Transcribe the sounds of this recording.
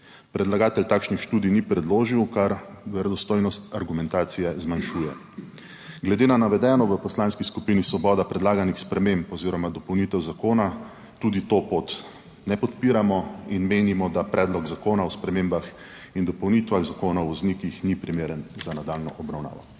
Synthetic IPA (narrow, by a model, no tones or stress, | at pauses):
pɾɛd̪laɡaːt̪ɛlt̪aːkʃnixʃt̪uːd̪ijnipɾɛd̪loːʒiwkaɾʋɛɾɛd̪ɔst̪oːjnɔst̪aɾɡumɛnt̪aːt̪sijɛzmanʃuːjɛ | ɡlɛd̪eːnanaʋɛd̪ɛːnɔʋəpɔslaːnskiskupiːnisʋɔbɔːd̪apɾɛd̪laːɡanixspɾɛmempɔziːɾɔmad̪ɔpɔwnit̪ɛwzakoːna | t̪uːd̪it̪opot̪ | nɛpɔt̪piːɾamɔinmeːnimɔd̪apɾʔɛːd̪lɔɡzakoːnaɔspɾɛmembax | ind̪ɔpɔwnit̪ʋaɣzakoːnawʋɔznikixnipɾimeːɾənzanad̪alnɔʔɔbɾawna̰ːʋɔ̰